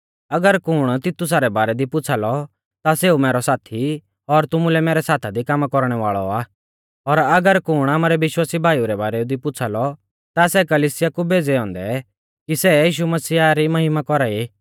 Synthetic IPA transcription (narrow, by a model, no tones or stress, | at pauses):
ɐɡəɾkʊɽ̃t̪ɪt̪ːʊs̬aːɾɛbaːɾɛd̪ipʊt͡sʰalɔ | t̪aseːumɛːɾɔsaːt̪ʰi | ɔɾt̪ʊmulɛmeːɾɛsaːt̪ʰad̪ikamkɔɾɽ̃ɛʋaːɭɔaː | ɔɾɐɡəɾkʊɽ̃aːmaːɾɛʋɪʃwaːsibʱaːijuɾɛbaːɾɛd̪ipʊt͡sʰalɔ | t̪asɛkɐliːsɪjakubeːd͡zɛɔ̃ːnd̪ɛ | kisɛjiːʃumɐsiːaɾimɐɦɪmakɔɾai